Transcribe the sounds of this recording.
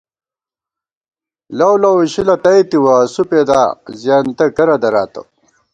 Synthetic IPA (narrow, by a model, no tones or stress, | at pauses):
lɐwlɐwuɕilɐtɐjt̪iwasuped̪aːzjaːnt̪ɐkɐɾɐd̪ɐɾaːt̪ɐ̰